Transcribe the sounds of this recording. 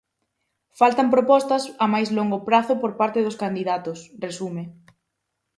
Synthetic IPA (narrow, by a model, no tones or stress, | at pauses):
falt̪ɐmpɾopɔst̪ɐsamajzloŋɡʊpɾaθʊpoɾpaɾt̪ɪðʊskand̪iðat̪ʊsresume